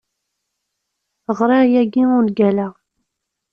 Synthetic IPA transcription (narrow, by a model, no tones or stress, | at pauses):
əʁɾˤɑjæɡiʊnɡælæ